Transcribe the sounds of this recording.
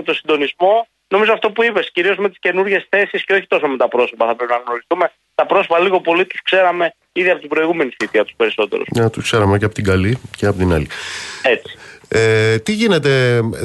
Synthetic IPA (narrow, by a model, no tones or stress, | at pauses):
et̪o̞sind̪o̞nizmo̞ | no̞mizoɐft̪o̞puipe̞sciɾio̞zme̞t̪i̥sce̞nuɾʝe̞sθe̞sisceo̞çi̥t̪o̞so̞me̞t̪ɐpɾo̞so̞pɐθɐpɾepinɐɣno̞ɾist̪ume̞ | t̪ɐpɾo̞sopɐliɣo̞po̞lit̪u̥skse̞ɾɐme̞ | iðiɐpo̞t̪ibɾo̞iɣume̞niθit̪iɐt̪u̥spe̞ɾiso̞t̪e̞̰ɾo̰sɲɐt̪uskseɾɐmeceɐpot̪iɡɐliceɐpot̪inɐ̰lie̞t͡si̥et̪iʝine̞t̪e̞